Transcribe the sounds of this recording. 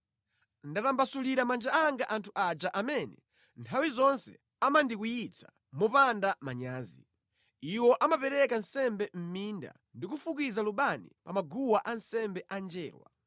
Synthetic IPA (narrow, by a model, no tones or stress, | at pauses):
ndatambasuliɾamand͡ʒaaŋɡaʔantʰuʔad͡ʒaʔamɛnɛ | ntʰawizɔnsɛ̥ | amandikujit͡sʰḁ | mɔpandamaɲaːzi | iwɔʔamapɛɾɛkansɛmbɛm̩minda̰ | ndikufuk̬izaluɓanḭpamaɡuwaʔansɛmbɛʔand͡ʒɛːɾwa̰